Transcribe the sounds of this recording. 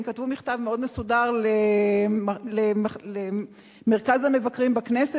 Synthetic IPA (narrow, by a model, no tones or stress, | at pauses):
mkatvumiχtavmeo̞dmesudaʁle | lemle | meʁkazhame̞vakʁimbaknese